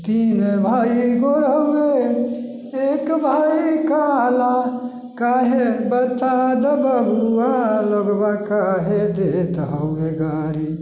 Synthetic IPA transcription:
t̪iːnebʱaːiɡoɽəoe | eːkbʱaːikala | kaːɦebət̪ad̪əbəbualəɡbakaɦed̪et̪aoeɡaːɾi

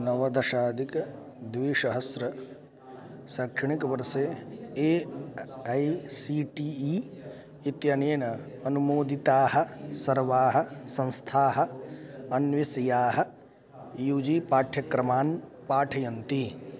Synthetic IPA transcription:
nɐʋɐd̪ɐʃaːd̪ʱik | d̪ʋiːʃɐɦɐsɾɐ | saːkʂɐɳikɐʋɐɾseːeː | ɐjsiʈiːi | it̪jɐneːnɐ | ɐnumoːd̪it̪aːɦɐ̆sɐɾʋaːɦɐ̆sɐ̃nst̪ʰaːɦɐ̆ɐnʋisɐjaːɦɐ̆ | juːd͡ʒiːpaːʈʰjɐkɾɐmaːnpaːʈʰɐjɐnt̪i

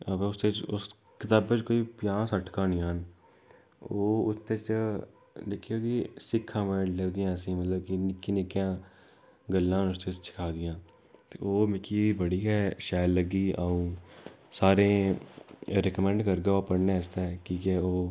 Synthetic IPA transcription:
əbʊst̪et͡ʃʊ̰s | kɪt̪aːbet͡ʃkoːipjãːsəʈʰkãːnɪjaːn | oːʊst̪et͡ʃ | lɪkʰioːkisɪkʰːãːmeleːd̪ɪjãːsĩːmət̪ləb̚kinɪkːinɪkːjãː | ɡəlːãːʊst̪et͡ʃsɪ̥kʰaːd̪ɪjãː | t̪eːoːmɪkiːbəɽiːɦɛːʃaːjlːəɡiːaːũːsaːɾẽː | ɾɛkəmɛ̃ɳɖkəɾɡaːoːpəɽnẽːəst̪aɛkiːkɛːoː

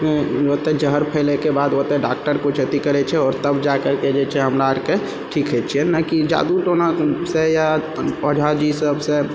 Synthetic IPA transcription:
ot̪ed͡ʒəɦəɾpʰɛlekebad̪ot̪eɖak̚ʈəɾkot͡ʃʰət̪ikəɾɛt͡ʃʰɛɔːɾt̪əbd͡ʒakəɾked͡ʒet͡ʃʰɛɦəmɾaəɾke | ʈʰikɦet͡ʃʰiɛnakid͡ʒa̰ːd̪uʈonasejapəd͡ʒʱad͡ʒisəbse

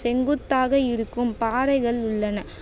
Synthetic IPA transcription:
sɛŋɡɯt̪ːaːɣɐɪɾɯkːɯmpaːɾɐɪɣɐɭʊɭːɐnɐ

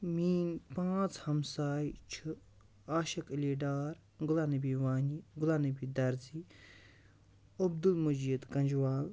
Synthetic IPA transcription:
miːnpãːt͡shɐmsaːit͡ʃʰu | aːʃɐkliːɖaːɾ | ɡʊlaːnibiʋaːɲiɡʊlaːnɐbid̪ɐɾziː | ɐb̚d̪ulmud͡ʒid̪kɐ̃nʲd͡ʒʋaːl

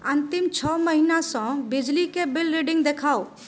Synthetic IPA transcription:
ənt̪imt͡ʃʰɔməɦinasə̃bid͡ʒlikebilɾiɖĩŋɡd̪ekʰao

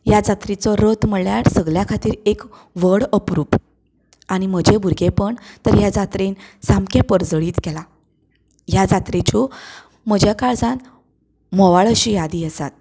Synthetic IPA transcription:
jad͡zat̪ɾit͡sɔɾot̪məɭjaɾsəɡljakʰat̪iːɾek | ʋəɽəpɾuːp | aɽ̃im̤əd͡ʑebʱuɾɡepəɳt̪əɾjad͡zat̪ɾensamkẽpəɾd͡zɭiːt̪kɛla | jad͡zat̪ɾet͡ɕu | m̤əd͡ʑjakaɭd͡zan | mɔʋaɭəɕijad̪iːəsat̪̚

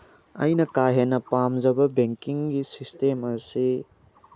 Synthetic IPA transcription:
ɐ̰jnɐkaɦenɐpamd͡ʒɐbɐbeŋkiŋɡisistemɐsi

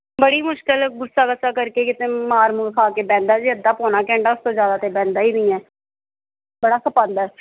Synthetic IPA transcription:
bəɽiːmʊʃkɪlɡʊsːaːkəsaːkəɾkeːkɪt̪ẽːmaːɾmulkʰaːkeːbɛ̃ːnd̪aːd͡ʒiːəd̪aːpoːnaːkɛ̃ːɳɖaːʊst̪õːzjaːd̪aːt̪eːbɛ̃ːnd̪aːiːbiːɛː | bəɽaːsəpãːnd̪ɛː

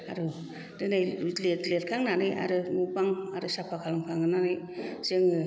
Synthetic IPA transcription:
aɾu | dɯnajitletlet̚kʰaŋnanɯjʔa̰ɾɯmubaŋaɾɯsapʰakʰalaŋkʰaŋɯnanɯj | z̥ɯŋɯ

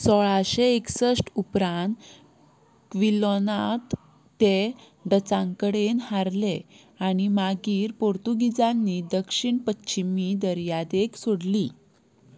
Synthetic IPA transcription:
sɔɭaɕeeksəsʈupɾãnt̪ | kʋilonat̪ː | e | ɖət͡sãŋkəɽenhaɾle | aɽ̃imaɡiːɾpoɾt̪uɡid͡zanːid̪əkʂiɳpətːɕimid̪əɾjad̪eksoɽli

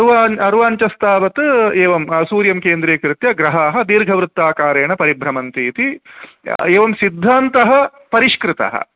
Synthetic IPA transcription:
ɐɾʋaːɐɾʋaːɲt͡ʃɐst̪ʰaːʋɐt̪eːʋɐmsuːɾjɐmkeːnd̪ɾeːkɾɪt̪jɐɡɾɐɦaːɦɐ̆d̪iːɾɡʱɐʋɾɨt̪ːaːkaːɾeːɳɐpɐɾibʱɾɐmɐnt̪iːt̪i | eːʋɐmsid̪ʱːaːnt̪ɐɦɐ | pɐɾiʃkɾɪt̪ɐ̰ɦɐ̰

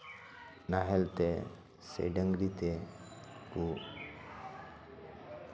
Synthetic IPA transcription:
naɦelt̪e | sḛɖəŋɡɾit̪e | ku

